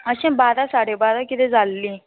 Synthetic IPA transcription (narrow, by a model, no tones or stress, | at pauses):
əɕẽbad̪asaɽebad̪akit̪ɛd͡zʱalːiː